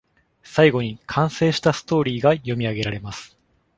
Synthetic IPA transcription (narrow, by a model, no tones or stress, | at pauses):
saiɡo̞ɲ̟ikʰãɰ̃se̞ːɕi̥t̪asɨ̥t̪o̞ːɾʲiːɡajo̞mʲiaɡe̞ɾaɾe̞masɨ̥